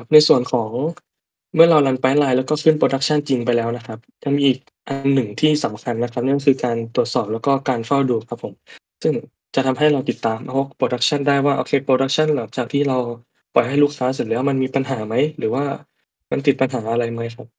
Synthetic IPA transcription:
kʰa˦˥p̚na˧jsu˨˩ənkʰɔː˩˦ŋ | mɯ˥˩ɐɾa˧wla˧npaː˦˥nlaː˧jlɛː˦˥wkɔː˥˩kʰɯ˥˩npɾoː˧da˦˥k̚t͡ɕʰa˥˩nt͡ɕi˧ŋp̬a˧jlɛː˦˥wna˦˥kʰa˦˥p̚ja˧ŋmiː˧ʔiː˨˩k̚ʔa˧nːɯ˨˩ŋt̪ʰiː˥˩sa˩˦mkʰa˧nːa˦˥kʰa˦˥p̚n˥˧ŋkʰɯː˧kaː˧nt̪u˨˩ət̪̚sɔː˨˩p̚lɛː˦˥wkɔː˥˩kaː˧nfa˥˩wduː˧kʰa˦˥pʰːo˩˦msɯ˥˩ŋ | t͡ɕa˨˩t̪ʰa˧mɦa˥˩jɾa˧wt̪i˨˩t̪ːaː˧mʔa˧o˦˥˩k̚pʰɾoː˧da˦˥k̚t͡ɕʰa˥˩ndaː˥˩jwaː˥˩ʔo̰ː˧kʰeː˧pɾoː˧ɾa˦˥k̚t͡ɕʰa˥˩nlaː˩˦ŋt͡ɕaː˨˩k̚t̪ʰiː˥˩ɾa˧w | pɔ˨˩jɦa˥˩jluː˥˩kʰːaː˦˥s̬e˨˩lɯː˩˦wa˥ma˧nmiː˧pa˧nɦaː˩˦ma˦˥jɾɯː˩˦waː˥˩ | ma˧nt̪i˨˩t̪̚pa˧nɦaː˩˦ʔa˧ɾa˧jma˦˥jkʰa˦˥p̚

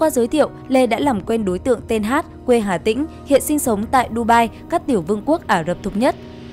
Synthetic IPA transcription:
kwaː˧zəː˨˦jt̪ʰḭ˧˨əwle˧ɗa̰ː˧˥laː˨˩mkwɛ˧nɗo˨˦jt̪ɨ̰˧˨əŋt̪e˧nɦaː˦˥t̚kwe˧ɦaː˧˩t̪ḭ˧˥ŋ̟ | hḭ˧˨ənsï˧ŋ̟sə˨˦wŋ͡mt̪a̰ː˧˨jɗu˧ɓaː˧jkaː˦˥k̚t̪i˧˩əwvɨ˧əŋku˦˥ək̚ʔaː˧˩zə˨˩p̚t̪ʰu˨˩k͡p̚ɲə˦˥t̚

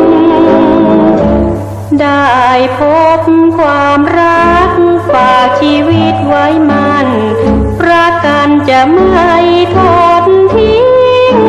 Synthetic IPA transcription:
da˧˩jpʰo˦˥p̚kʰwaː˧mɾa˦˧˥k̚faː˨˩k̚t͡ɕʰiː˧˥wi˧˩t̪̚wa˦˧˥jma˧˥n | pɾa˧ka˧nt͡ɕa˧˩ma˧˩˧jt̪ʰo˧t̚nt̪ʰi˧˥˩ŋ

